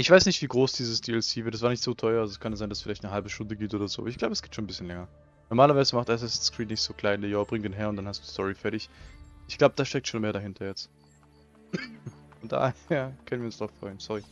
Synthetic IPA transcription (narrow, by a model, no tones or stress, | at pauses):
ʔɪçv̥aɪsnɪçtv̥iːɡʁoːsd̥iːzəsd̥iːɛlsiːvɪɐtd̥asv̥aːɐnɪçtz̥oːtʰɔʏɐalzoɛskʰanjzaɪnd̥asfɪlaɪçtnəɦalbəʃtʊndəɡiːp̚tʔoːdɐzo̰ːɪçɡ̥laʊbəɛsɡ̥iːp̚tʃoːn̩bɪsçənlɛŋɐ | nɔʁmaːlɐvaɪzəmaχtʔɛs̬ɛsskʁ̥iːtnɪçtz̥oːkʰl̥aɪndɛjaːəbʁɪŋtdɪːnɦeːɐʊntd̥anhasd̥uːdistʰɔʁifɛɐtɪçʔɪçɡ̥laʊbəd̥aːsʃtɛk̚tʃoːnmeːɐɾaɦɪntʰɐjɛt͡st | fɔnd̥a̰ːheːɐkʰœnənviːʊnsʁaʊfʁ̥ɔʏənsɔʁi